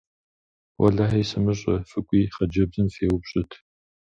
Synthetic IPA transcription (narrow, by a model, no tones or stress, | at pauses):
wʔɐ̰ɮaħɐjsɨmɨɕ̬ʼɐfɨkʷʼiːχɐd͡ʒɐbzɨnfeːwʊbɕʼɪtʰ